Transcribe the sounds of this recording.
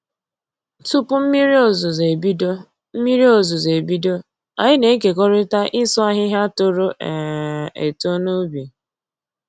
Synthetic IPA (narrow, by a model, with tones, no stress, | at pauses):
tu˦pʊ˦m̩˦mi˦ɾo˨zze˨bi˦do˦ | m̩˦mi˦ɾi˦o˨zu˨ze˨bi˦do˦ | a̰˨ɲɪ˦ne˨˦k̬e˨kɔ˦ɾɪ˦ta˦ʔɪ˦sɔ˦a˦ɦɪ˦ɦa˦tʊ˦ɾo˦ʔɛ˨ḛ˨to˦no˦be˨